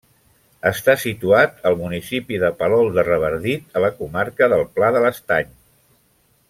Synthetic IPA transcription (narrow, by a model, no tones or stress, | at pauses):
əst̪asit̪uat̪əlˠmunisipiðəpəlɔlˠd̪ərəβ̞əɾðit̪ələkumaɾkəðəlˠplaðələst̪aɲ